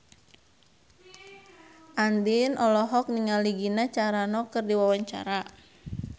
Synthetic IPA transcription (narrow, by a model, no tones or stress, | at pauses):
ʔandinʔɔlɔɦɔk̚niŋaliɡinat͡ʃaɾanɔkɨrdiwawaɲt͡ʃa̰ɾa